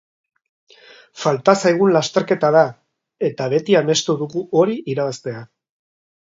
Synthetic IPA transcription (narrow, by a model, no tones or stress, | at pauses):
falt̪asajɣ̞unlast̪e̞ɾke̞t̪aða | e̞t̪aβe̞t̪iame̞st̪uðuɣuo̞ɾiʔiɾaβast̪e̞a